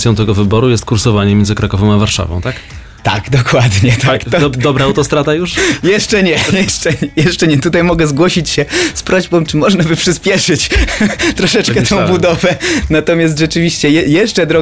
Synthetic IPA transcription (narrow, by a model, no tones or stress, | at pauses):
sʲjɔ̃t̪ɛɡɔvɘbɔɾujɛst̪kuɾsɔvaɲɛmʲjɛnzɘɨkɾakɔvɔ̃w̃avaɾʂa̰vɔ̃w̃t̪ak | t̪a̰ɡd̪ɔkwad̪ɲɛt̪aak̪ɔd̪ɔbɾaːwt̪ɔst̪ɾad̪ajuʂjɛʂt͡ʂɛɲɛjɛʂt͡ʂɛɲɛjɛʂt͡ʂɛɲɛt̪ut̪ajmɔɡɛzɡwɔɕit͡ɕɕɛspɾʔɔʑbɔ̃w̃t͡ʂɘmɔʐnabɘpʂɘspʲjɛʂɘt͡ɕt̪ɾɔʂɛt͡ʂkɛɔ̃w̃bud̪ɔvɛnat̪ɔmʲjast̪ʐɛt͡ʂɘvʲiɕt͡ɕɛjɛjɛʂt͡ʂɛd̪ɾɔ